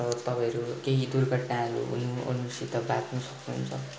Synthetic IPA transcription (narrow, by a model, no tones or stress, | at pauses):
ʌt̪ʌpãʌɾukeɦid̪urɡʌʈnãʌɾṵɦṵnuʌ̰nusit̪ʌbat̪nusʌknuɦṵnt͡sʰʌ